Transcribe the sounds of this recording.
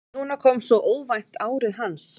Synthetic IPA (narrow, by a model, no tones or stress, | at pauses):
nuːnakʰɔːmsɔʔoːwvajht̪aːwɾɪðɦans